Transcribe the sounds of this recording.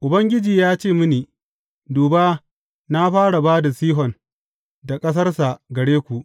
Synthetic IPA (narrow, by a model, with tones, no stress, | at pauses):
ʔʊ˨bɐ˦ŋɡʲɪ˦d͡ʒiː˨jaː˦t͡ʃeː˦˨mʊ˦niː˨ | duː˨baː˦ | na˦ɸaː˦ɽa˨baː˦da˨siː˦ɦɔ˨n | da˨kʼɐ˦s̬ɐ˦rsa˨ɡɐ˨ɽeː˦kʷu˨ʔ